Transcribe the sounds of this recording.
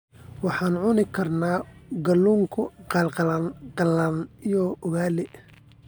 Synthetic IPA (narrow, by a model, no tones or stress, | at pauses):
wɑħɑːnʕʊnɪkʰɐrnaːɡɐluːŋkʰʊqɑlqɑlnqɐlɐnijɔʊɣaːlɛ